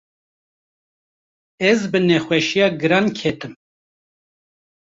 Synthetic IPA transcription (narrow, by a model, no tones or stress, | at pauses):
ɛzbɨnɛxʷwɛʃijɑːɡɨɾɑːnkʰɛt̪ɨm